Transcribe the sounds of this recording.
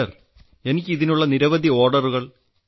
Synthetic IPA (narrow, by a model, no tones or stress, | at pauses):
ɐr | e̞nikʲːɨiðinuɭːɐniɾɐʋɐd̪ʱio̞ːrɖɐruɣɐɭ